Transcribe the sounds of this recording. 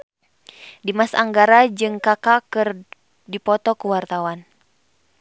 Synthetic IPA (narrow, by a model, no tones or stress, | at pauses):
dimasaŋɡaɾad͡ʒɨŋkakakɨr | dipɔt̪ɔkuwart̪awan